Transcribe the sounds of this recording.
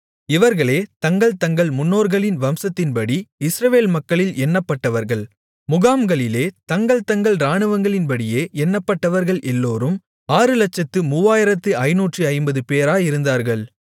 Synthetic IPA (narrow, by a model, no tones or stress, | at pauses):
ɪʋɐɾɣɐɭeːt̪ɐŋɡɐɭt̪ɐŋɡɐɭmʊnːoːɾɣɐɭɪnʋɐmsɐt̪ːɪnpɐɽiɪsɾɐʋeːlmɐkːɐɭɪlɛnːɐpːɐʈːɐʋɐɾɣɐɭ | mʊɣaːmɡɐɭɪleːt̪ɐŋɡɐɭt̪ɐŋɡɐɭɾaːɳɯʋɐŋɡɐɭɪnpɐɽɪjeːʔɛnːɐpːɐʈːɐʋɐɾɣɐɭʔɛlːoːɾɯm | aːɾɯlɐt͡ʃːɐt̪ːɯmʊʋaːjɪɾɐt̪ːɯɐɪnuːʈriɐɪmbɐðɯpeːɾaːjɪɾɯnd̪aːɾɣɐɭ